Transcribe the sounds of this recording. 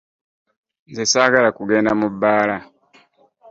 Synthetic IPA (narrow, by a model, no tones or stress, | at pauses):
nzisaɡalakuɡendamubala